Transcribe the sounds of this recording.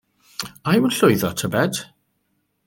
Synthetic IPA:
ajwənɬʊɨðɔtʰəbɛd̥

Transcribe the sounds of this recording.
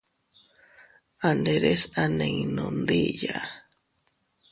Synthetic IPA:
and̪eɾesanẽŋnond̪ija

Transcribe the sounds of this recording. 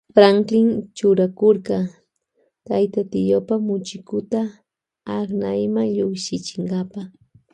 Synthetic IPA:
fɾaŋkɪŋt͡ʃʊɾakoɾɢɑ | t̪ajt̪at̪ɪjopamʊt͡ʃɪkʊt̪aː | χnajmaŋʎoχʃɪt͡ʃɪŋɢɑpa

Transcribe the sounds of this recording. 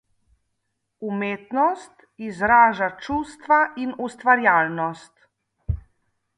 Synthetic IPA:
umeːt̪nɔst̪ | izɾaːʒat͡ʃuːst̪ʋaʔinust̪ʋaɾjaːlnɔst̪

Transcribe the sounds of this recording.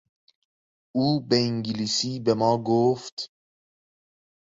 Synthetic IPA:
uːbeiŋɡilisiːbemɒːɡoːft̪

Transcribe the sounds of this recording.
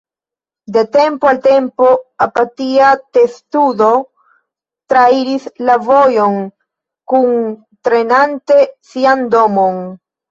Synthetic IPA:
dete̞mpoalte̞mpo̞apatiate̞studo̞ | tɾaiɾislavo̞jo̞n | kun | tɾe̞nante̞siando̞mon

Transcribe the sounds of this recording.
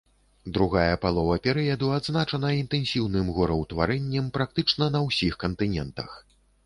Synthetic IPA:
d̪ɾuɣajɐpalˠɔvɐpʲɛɾɨjɐd̪uad̪znat͡ʂɐnɐint̪ɛnsʲiwnɨmɣɔɾɐwt̪vaɾɛnʲːɐmpɾak̚t̪ɨt͡ʂnɐnɐwsʲixkɐnt̪ɨnʲɛnt̪ɐ̰x

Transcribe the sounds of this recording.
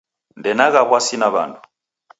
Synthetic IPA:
ndɛnaɣaβwasinaβa̰ndu

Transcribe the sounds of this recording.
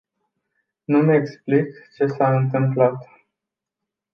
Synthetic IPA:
numeksplikt͡ʃe̞saɨnt̪ɨmplat̪

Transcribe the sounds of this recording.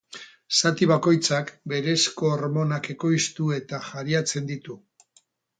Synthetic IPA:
sat̪iβ̞ako̞jt͡sakbe̞ɾe̞sko̞ːɾmo̞nake̞ko̞jst̪ue̞t̪axaɾiat͡se̞nd̪it̪u

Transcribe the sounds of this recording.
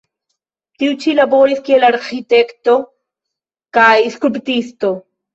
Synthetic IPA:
t̪iwt͡ʃilaboɾiskielaɾqit̪ekt̪o | kaiskupt̪ist̪o

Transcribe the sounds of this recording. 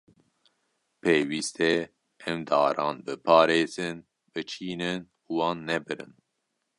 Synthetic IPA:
pʰeːwiːst̪ɛ | ɛmd̪ɑ̰ːɾɑ̰ːnbɨpʰɑːɾeːz̥ɨn | b̥ɨt͡ʃʰiːnɨn | uwɑːnːɛbɨɾɨ̰n

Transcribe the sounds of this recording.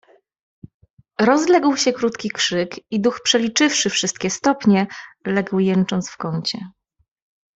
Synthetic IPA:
ɾɔzlɛɡwɕɛkɾut̪kʲikʂɘkid̪uxpʂɛlʲit͡ʂɘfʂɘfʂɘst̪̚kʲɛst̪ɔpɲɛlɛɡwjɛnt͡ʂɔnt̪sfkɔɲt͡ɕɛ

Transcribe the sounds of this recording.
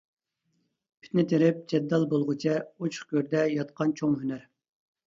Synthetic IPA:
pʰy̥t̪nɪt̪ʰeɾɪp̚d͡ʒɛd̪ːɑlˠbolˠʁʊt͡ʃʰɛut͡ʃʰχkʲøɾd̪ɛjɑt̪̚qʰɑnt͡ʃʰoŋɦynæɾ

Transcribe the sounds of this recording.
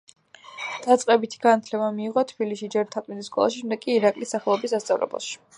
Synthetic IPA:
d̪̥at̪sʼqʼɛbit̪ʰi̥ɡ̥anat̪ʰlɛbamiːʁɔt̪ʰbiliʃid͡ʒɛɾt̪ʰat̪ʼmid̪iskʼɔ̰lˠa̰ʃiʃɛmd̪ɛkʼiːɾakʼlisaχɛlˠɔbisast̪sʼa̰vlɛ̰bɛ̰ʃi̥

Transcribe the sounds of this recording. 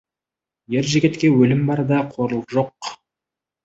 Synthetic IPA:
jeɾʒeɡʲet̪kʲe̞wɵlɪmbɑɾd̪ɑqʰo̞ɾəlˠəʒo̞q

